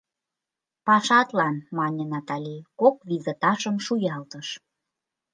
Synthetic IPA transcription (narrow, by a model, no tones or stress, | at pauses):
pɑʃɑt̪lɑnmɑnʲənɑt̪ɑlʲikokvizet̪ɑʃə̆mʃujɑlt̪əʃ